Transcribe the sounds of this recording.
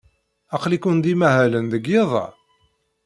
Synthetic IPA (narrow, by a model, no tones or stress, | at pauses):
ɑqlikund̪imæhælənðəɡjeðˤɑ̰